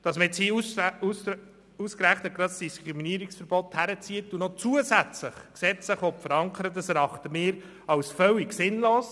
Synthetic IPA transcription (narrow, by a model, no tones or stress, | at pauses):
d̥ɑsməɛt͡shiːusus | uskɾæχnət̚ɡ̥ɾɑtsd̥iskɾiminiːɾiksfəɾbɔt̪hæɾət͡siətunɔt͡suəsæt͡sləχksɛt͡sləχɔpfəɾɑŋkʰəɾətəsɛɾɑχt̪əmɪːɾ | ɑwsfœwiɡsɪnloːs